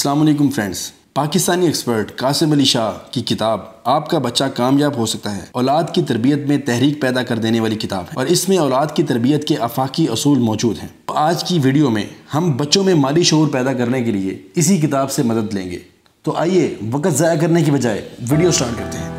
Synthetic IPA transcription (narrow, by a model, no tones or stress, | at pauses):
ɐslaːmɐleːk̬ʊ̃mfɾɛ̃ːɳɖz̥ | paːkɪst̪aːnieːkspəɾʈkaːsɪbɐliʃaːkikɪt̪aːbaːp̚kabɐtːʃakaːmjaːbɦosɐk̚t̪aɦɛ̰ːɔːlaːd̪kit̪ɐɾbijət̪mẽt̪ɛɦɾiːk̚pɛːd̪akɐɾd̪eːneʋaːlikɪt̪a̰ːbɦɛ̃ɔːɾɪsmẽɔːlaːd̪kit̪ɐɾbijət̪keʔɐfaːkiʊsuːlmɔːd͡ʒuːd̪ɦɛ̰̃ːaːd͡ʒkiʋiːɖijomḛ̃hɐmbɐtːʃõmẽmaːliʃɐuːɾpɛːd̪akɐɾnekeliḛɪsik̬ɪt̪aːbsemɐd̪əd̪lḛ̃ːŋɡḛː | t̪oʔaːieʋɐkət̪zaːjakɐɾnekiʋɐd͡ʒaːeʋiːɖijosʈaːɾʈ̚kɐɾt̪eɦɛ̃ː